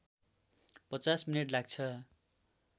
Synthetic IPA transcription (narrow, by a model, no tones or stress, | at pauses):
pʌt͡sasmineʈlaɡ̚t͡sʰʌ